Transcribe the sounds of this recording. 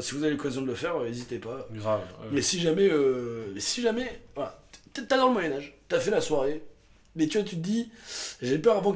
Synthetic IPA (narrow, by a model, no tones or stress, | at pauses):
sivuzaveləkazjɔ̃d̪ələfɛʁøezit̪epaavmɛsiʒamɛømɛsiʒamɛvwala̰t̪ːalɔ̃lmwajɛnaʒt̪yafɛlaswaʁe | mɛt̪yat̪yt̪əd̪iʒepœʁavɑ̃k